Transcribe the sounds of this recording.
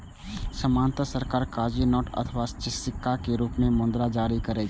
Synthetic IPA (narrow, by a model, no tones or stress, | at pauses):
səmaːnt̪əsəɾkaːɾkaːd͡ʒinɔːʈə̰t̪ʰəʋast͡ʃɪsɪkːakeɾuːpmẽmõːnd̪ɾad͡ʒaːɾikəɾeː